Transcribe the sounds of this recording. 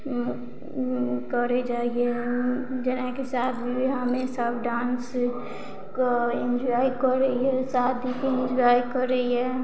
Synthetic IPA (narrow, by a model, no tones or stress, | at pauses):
kəɾed͡ʒaːie | d͡ʒənãkesat̪ʰbiɦamesəbɖãːns | keẽnd͡ʒajkəɾeɦɛsaːd̪ʱikeɪ̃nd͡ʒajkəɾɛɦɛ